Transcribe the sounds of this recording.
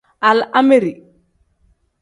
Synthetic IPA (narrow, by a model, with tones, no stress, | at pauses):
a˨la˦meɾi˨